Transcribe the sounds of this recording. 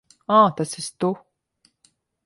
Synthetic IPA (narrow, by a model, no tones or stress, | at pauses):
aːt̪asist̪u